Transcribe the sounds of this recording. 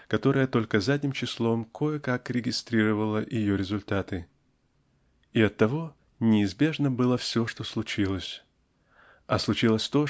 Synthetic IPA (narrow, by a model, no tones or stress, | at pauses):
kɐt̪o̞ɾəjət̪o̞lʲkəzadʲnʲɪmt͡ɕɪslˠo̞mkʰo̞jəkakɾʲɪɡʲɪst̪ɾʲiɾəvəlˠəʔɪjo̞ɾʲɪzʊlʲt̪at̪ɨ | ɪɐt̪ːɐvo̞ | nʲɪːzbʲe̞ʐnəbɨlˠəfsʲo̞ʂt̪o̞slˠʊt͡ɕilˠəsʲ | ɐslˠʊt͡ɕilˠəsʲt̪o̞